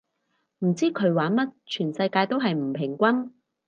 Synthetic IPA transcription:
m̩˨˩t͡siː˥kʰɵ˨˧ɥwaː˨˥nmɐ˥t̚t͡ʃʰyː˨˩nsɐ˧jkaː˧jt̪o˥wɦɐ˨jm̩˨˩pʰɪ˨˩ŋkʷɐ˥n

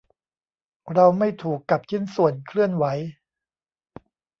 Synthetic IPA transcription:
ɾa˧wma˥˩jt̪ʰuː˨˩kːa˨˩p̚t͡ɕʰi˥˩nsu˨˩ənkʰlɯ˥˩ənwa˩˦j

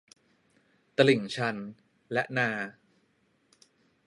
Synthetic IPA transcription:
t̪a˧li˨˩˦ŋt͡ɕʰa˧n | lɛ˦˥ʔnaː˧

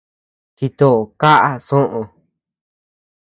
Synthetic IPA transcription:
t͡ʃi˧t̪o˦˧˨ka˦ʔa˦sõ˦ʔõ˧

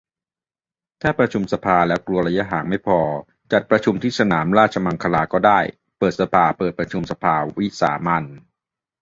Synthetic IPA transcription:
t̪ʰaː˥˩pɾa˧t͡ɕʰu˧msa˧pʰaː˧lɛː˦˥wklu˧ɐɾa˧ja˦˥ɦaː˩˦ŋma˥˩jpʰɔː˧ | t͡ɕa˨˩t̪̚pɾa˧t͡ɕʰu˧mt̪ʰiː˥˩sa˧naː˩˦mɾaː˥˩t̪̚t͡ɕʰa˧ma˧ŋkʰa˧laː˧kɔː˥˩daː˥˩j | pɤː˨˩t̪̚sa˧pʰaː˧pɤː˨˩t̪̚pɾa˧t͡ɕʰu˧msa˧pʰaː˧wi˦˥sa̰ː˩˦ma˧n

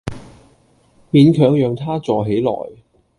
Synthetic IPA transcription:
miː˨˧nkʰœː˨˥ŋjœː˨ŋt̪ʰaː˥t͡sɔː˨ɦe˨˥jlɔ̰ː˨˩j

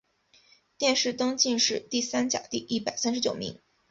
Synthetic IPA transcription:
t̪jɛ˥˧nʂɻ̩˥˩t̪ɤ˥ŋt͡ɕi˥˧nʂɻ̩˥˧t̪i˥˩sa˥nt͡ɕja̰˨˩t̪i˥˧ʔi˥˩pa˨˩ɪsa˥nʂ̬ɻ̩˧˥t͡ɕjo˨˩ʊmḭ˧˥ŋ

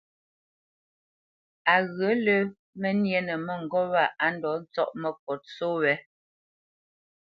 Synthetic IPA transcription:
a˨ɣə˨˦lə˦ | mɛ˦njɛ˦nə˨mɛ˦ŋ̩˨ɡɔ˦wa˦˨a˨˦n˦dɔ˨˦n̩˦t͡sɔ̰˦˨ʔmə˨k̚ɔ˨t̚so˦wɛ˨˦

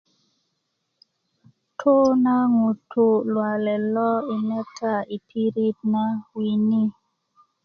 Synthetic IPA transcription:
tʰo˦na˦ŋu˨tʰo˨lwa˨lɛ˨lɔ˦i˨nɛ˦tʰa˦˨i˨pʰi˦ɾi˦t̚na˦wi˨ni˦

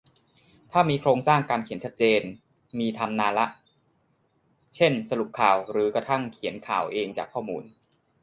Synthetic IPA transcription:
t̪ʰaː˥˩miː˧kʰɾoː˧ŋsaː˥˩ŋkaː˧nkʰi˩˦nt͡ɕʰa˦˥t̪̚t͡ɕeː˧n | miː˧t̪ʰa˧mnaː˧nla˦˥ʔ | t͡ɕʰe˥˩nsa˧lu˨˩p̚kʰaː˨˩wɾɯː˩˦kɾa˧t̪ʰa˥˩ŋkʰi˩˦nkʰa̰ː˨˩wʔeː˧ŋt͡ɕaː˨˩kʰːɔː˥˩muː˧n

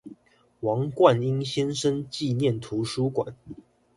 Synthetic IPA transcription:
wɑ˨˧˥ŋkwa˥˨ni˦˥ŋɕjɛ˥nʂə˦nt͡ɕi˥˨njɛ˥˨nt̪ʰu˨˧˥ʂu˥kwa˨˩˦n

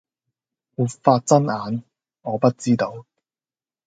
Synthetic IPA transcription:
wuː˨˩tfaː˧t̚t͡sɐ˥naː˨˧n | ɔː˨˧pɐ˥t̚t͡siː˥t̪o˧w

